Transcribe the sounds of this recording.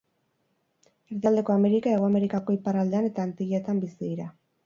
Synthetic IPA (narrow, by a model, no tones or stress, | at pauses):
eɾðiald̪e̞ko̞ame̞ɾikae̞ɣ̞o̞ame̞ɾikako̞iparald̪eane̞t̪aːnt̪iʎet̪ambisiðiɾa